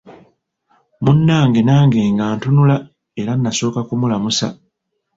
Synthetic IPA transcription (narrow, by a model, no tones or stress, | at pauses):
munːaːŋɡe̞naːŋɡe̞ːŋɡaːntunula | e̞ɾanːaso̞ːkakumulamusa̰